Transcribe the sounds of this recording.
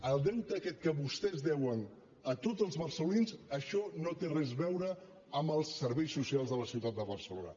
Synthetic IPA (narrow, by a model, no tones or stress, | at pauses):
əlˠd̪ɛwt̪əkɛt̪̚kəβust̪ɛzdɛwən | ət̪ozəlˠzβəɾsəlulinzəʃɔnot̪erɛzβɛwɾə | əmbəlˠsːəɾβɛjsːusialˠzðələsiwt̪at̪̚d̪əβərsəlonə̰